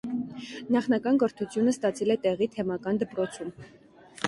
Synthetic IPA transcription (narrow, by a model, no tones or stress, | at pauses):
nɑχnɑkɑnkəɾt̪ʰut͡sʰjunəst̪ɑt͡sʰɛlɛt̪ɛʁit̪ʰɛmɑkɑnd̪əpɾɔt͡sʰum